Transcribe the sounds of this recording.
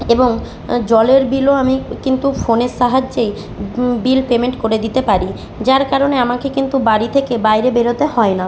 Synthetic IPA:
eboŋ | d͡ʑɔleɾbiloamikint̪ufoneɾʃaɦad͡ʑːej | bilpemeɳʈkoɾed̪it̪epaɾi | d͡ʑaɾkaɾoneamakekint̪ubaɾit̪ʰekebajɾebeɾot̪ehɔena

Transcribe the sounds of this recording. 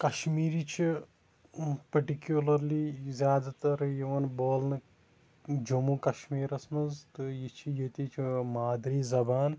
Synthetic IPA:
kɐʃmiːɾit͡ʃʰi | pɐʈikjulɐɾlizʲjaːd̪at̪ɐɾjɐʋɐnboːlnɨ | d͡ʒɐmuːkɐʃmiːɾɐsmɐzt̪ɨjit͡ʃʰijet̪it͡ʃʰmaːd̪ɾiːzɐbaːn

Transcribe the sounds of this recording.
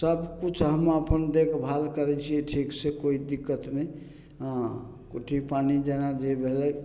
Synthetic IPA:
səbkut͡ʃʰɦəməpənd̪ekbʱalkəɾɛt͡ʃʰieʈʰiksekoid̪ikːət̪nəj | ɦã | koʈʰipanid͡ʒenad̪ebʱelɛ

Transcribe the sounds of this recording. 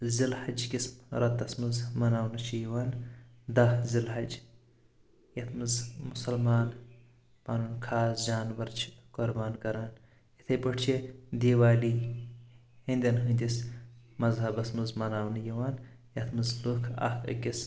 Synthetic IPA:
zilhɐd͡ʒkismɾɐt̪ːɐsmɨzmɐnaːwnɨt͡ʃʰijiwaːn | d̪ɐhzilɦɐd͡ʒ | jɐt̪ʰmɨzmʊsɐlmaːn | paːnunkʰaːsd͡ʒaːnʋɐɾt͡ʃʰkoɾbaːnkɐɾaːn | it̪ʰɐjpɐʈʰt͡ʃʰid̪eːwaːliː | hinʲd̪ʲɐnɦɨnʲd̪ʲismɐzɦɐbɐsmɨzmɐnaːwnjiwaːn | jɐt̪ʰmɨzlukʰɐ̰hɐ̰kʲis

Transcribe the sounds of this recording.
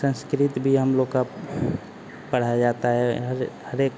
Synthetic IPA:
sə̃nskɾit̪bʱiɦəmloɡka | pəɽ̤ad͡ʒat̪aɦɛɦɾhəɾek

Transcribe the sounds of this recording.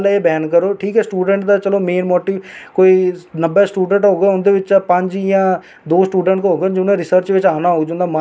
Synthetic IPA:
leːbɛːnkəɾoːʈʰiːkɦɛːsʈuːɖəɳʈd̪aːt͡ʃəloːmeːnmɔːʈiːʋkoːiːnəbɛːsʈuːɖə̃ɳʈɦoːɡɛːʊnd̪eːʋɪt͡ʃpəɲd͡ʒjãː | d̪oːsʈuːɖə̃ɳʈkɦoːɡed͡ʒɪnẽːɾɪsəɾt͡ʃʋɪt͡ʃaːnaːɦoːɡd͡ʒʊ̃nd̪aːma

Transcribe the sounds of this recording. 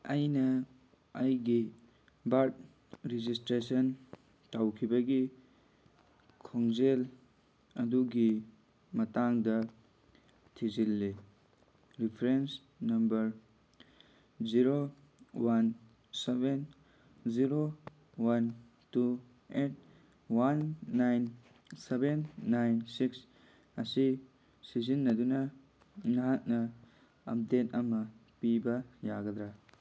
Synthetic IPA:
ɐjnɐ | ɐjɡi | baɾt̚ | ɾid͡ʒistɾesɐn | tawkʰibɐɡi | kʰoŋd͡ʒel | ɐduɡi | mɐtaŋdɐ | tʰizilːe | ɾipʰɾens | nɐmbɐɾ | ziɾo | wan | seben | ziɾo | wan | tu | et̚ | wanːajn | sebenːajnsiks | ɐsi | sizinːɐd̪unɐ | nɐɦat̚nɐ | ɐ̰p̚det̚ɐmɐpibɐja̰ɡɐd̪ɾa

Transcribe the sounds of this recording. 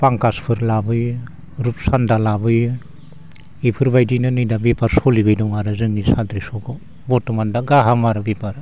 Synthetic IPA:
paŋkaspʰɯɾlabɯj | ɾup̚sandalabɯj | ipʰɯɾbajdinɯnɯjdabepaɾsɔlibɯjdɔŋaɾɯzɯŋnisadɾisɔɡɔ | bɔtɔmandaɡaɦamaɾɯbepaɾ

